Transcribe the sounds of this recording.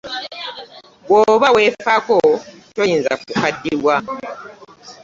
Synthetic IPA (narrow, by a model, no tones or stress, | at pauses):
ɡwoβawefakotojiːnza̰kukadːiɾwa